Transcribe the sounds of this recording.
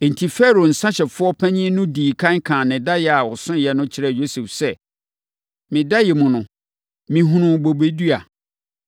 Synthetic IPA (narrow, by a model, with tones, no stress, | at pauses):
n̩˨tʰi˨fɛ˦˨ɾo˨n̩˨sã˦ɕɛ˨fʊ˦ɔ˦pʰæ̃˦ɲĩ˦nʊ̃˦diː˨kʰã˦ŋkʰã˨nɪ̃˨da˦jɛ˨a˨wɔ˨sʊ̃˦˨jɛ˨nʊ̃˦t͡ɕʰɪ˦ɾɛ˨jo˦sɛ˨fsɛ˦ | mɪ̃˨da˦jɛ˨mũ˨nʊ̃˨ | mĩ˨ɦũ˦nʊ̃˦bo˨be˦du˦a˨